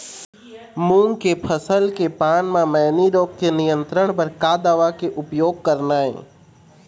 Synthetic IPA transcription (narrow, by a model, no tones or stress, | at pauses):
mũːŋkepʰəsəlkepaːnmãmɛːniɾoːɡ̚kenɪjə̃nt̪ɾəɽ̃pəɾkaːd̪aːʋakeʔʊpjoːɡ̚kəɾnaːḛ̃ː